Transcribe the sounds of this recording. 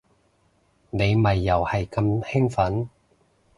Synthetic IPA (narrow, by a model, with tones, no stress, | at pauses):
ne˨˧jmɐ˨˩jːɐ˨˩whɐ˨˩jkɐ˧mhɛ˥ŋfɐ˨˥n